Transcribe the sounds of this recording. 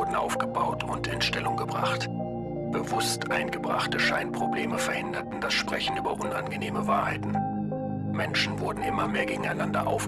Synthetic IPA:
dn̩ʔa̰ʊfɡ̥əbaʊtʰʊntɪ̰nʃtɛlʊŋɡəbʁa̰χt | b̥əvʊstʔaɪnɡəbʁa̰χtəʃaɪnpʁ̥obleːməfɛɐhɪndɐtn̩dasʃpʁ̥ɛçn̩ʔyːbɐʔʊna̰nɡəneːməvaːɐhaɪtn̩ | mɛnʃn̩vʊɐdn̩ʔɪmɐmeːɐɡeːɡŋ̩aɪnandɐ̰ʔa̰ʊf

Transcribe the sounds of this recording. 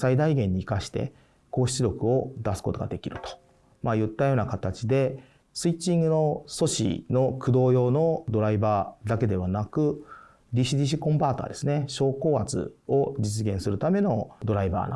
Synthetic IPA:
said̪aiɡẽ̞ɲ̟ːiːkaɕi̥t̪e̞̰ | ko̞ːɕi̥t͡sɨɾʲo̞kɯ̟o̞d̪asɨ̥ko̞t̪o̞ɡa̰d̪e̞kʲiɾɯ̟t̪o̥ | majɯ̟t̪ːajo̞ːnakat̪at͡ɕid̪e̞ | sɨit͡ɕːĩŋɡɯ̟no̞so̞ɕḭno̞kʰɯ̟d̪o̞ːjo̞ːno̞d̪o̞ɾaibaːd̪ake̞d̪e̞βanakɯ̟ | dʲiɕid̪ʲiɕ̬ikõ̞mbaːt̪oa̰d̪e̞sɨne̞ɕo̞ːko̞ːat͡sɨ̰o̞d͡ʑit͡sɨɡẽ̞ɰ̃sɨɾɯ̟t̪ame̞no̞d̪o̞ɾaiba̰ːna̰

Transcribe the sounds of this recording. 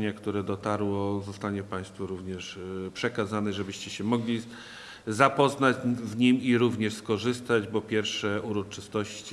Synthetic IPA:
ɲakt̪uɾɛd̪ɔt̪aɾwɔzɔst̪aɲɛpaj̃st̪fuɾuvɲɛʂpʂɛkazanɛʐɛbɘɕt͡ɕɛɕɛmɔɡlʲi | zapɔznad͡ʑvɲimiɾuvɲɛʂskɔʐɘst̪ad͡ʑbɔpʲjɛɾfʂɛuɾɔt͡ʂɘst̪ɔɕt͡ɕi

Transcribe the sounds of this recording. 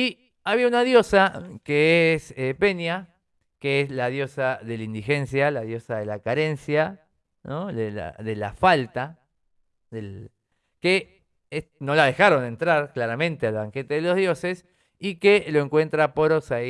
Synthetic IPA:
i | aβiaunaðjo̞sakeesepe̞nja | keeslaðjo̞saðe̞laind̪ixe̞nsjalaðjo̞saðe̞lakaɾensja | noðela̰ðela̰falt̪a | ðel | ke | eno̞laðexaɾo̞nd̪e̞nt̪ɾaɾklaɾamẽnt̪ealβaŋke̞t̪eðelo̞zðjo̞ses | ikelo̞eŋkwe̞nt̪ɾapo̞ɾosa

